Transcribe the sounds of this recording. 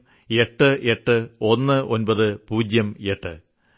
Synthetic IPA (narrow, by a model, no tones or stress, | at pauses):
e̞ʈːɨʔe̞ʈːɨo̞nːɨʔo̞nbɐðɨpuːd͡ʑjɐme̞ʈːɨ